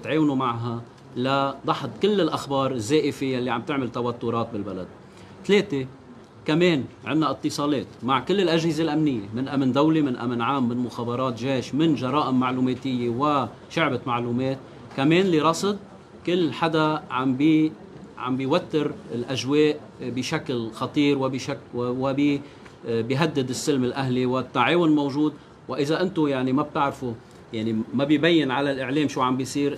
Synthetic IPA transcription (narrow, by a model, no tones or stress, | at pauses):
t̪ʕeːwnumaʕɦa | lad̪ˤɑħd̪̚ˤkɪlːɪlʔaxbɑːɾˤɪzːeːʔɪfɪjalːiʕamb̚t̪ɪʕmɪlt̪awat̪ːʊɾˤɑːt̪̚bɪlbala̰d̪̚ | t̪leːt̪e | kameːnʕɪnːaʔɨt̪ːɨsˤɑːleːt̪maʕkɪlːɪlʔaʒhɪzelʔamnɪjːemɪnʔamnd̪awlimɪnʔa̰mnʕaːmːɪnmʊxaːbɑɾˤɑːt̪ʒeːʃmɪnʒɑɾˤɑːʔɪmːaʕluːmeːt̪ɪjːewɪ | ʃʊʕbɪmaʕluːmeːt̪̚ | kameːnliɾˤɑsˤɨd̪̚ | kɪlːħad̪aʕambi | ʕa̰mbiwat̪ːɪɾɪlʔaʒweːʔ | bɪʃaklxɑt̪ˤiːɾwɪbɪʃakwɪbi | biɦad̪ːɪd̪ɪsːɪlmɪlʔaɦliwɪt̪ːaʕeːwʊnmowʒuːd̪ | wɪʔɪzaʔɪnt̪ʊjaʕnimab̚t̪ɪʕɾfu | jaʕnimabjbajːɪnʕalalʔɪʕleːmʃuːʕambisˤiːɾ